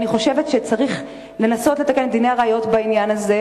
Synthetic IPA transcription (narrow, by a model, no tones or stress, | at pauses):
niχo̞ʃe̞vet̪ʃe̞t͡saʁiχ | le̞naso̞tle̞t̪akenmd̪ineaʁaːjo̞tbainjanaze